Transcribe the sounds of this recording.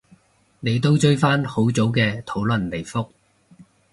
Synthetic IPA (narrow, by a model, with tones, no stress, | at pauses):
ne˨˧jt̪o˥wt͡ʃɵ˥ɥfaː˥nho˨˥wt͡so˨˥wkɛː˧t̪ʰo˨˥wlɵ˨˩nle˨˩jfʊ˥k̚